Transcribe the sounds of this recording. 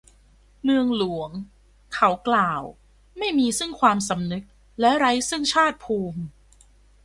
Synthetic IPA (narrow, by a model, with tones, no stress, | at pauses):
mɯ˧əŋlu˩˦əŋ | kʰa˦˥wklaː˨˩w | ma˥˩jmiː˧sɯ˥˩ŋkʰwaː˧msa˨˦mnɯ˦˥k̚ | lɛ˦˥ɾa˦˥jsɯ˥˩ŋt͡ɕʰaː˥˩t̪̚pʰuː˧m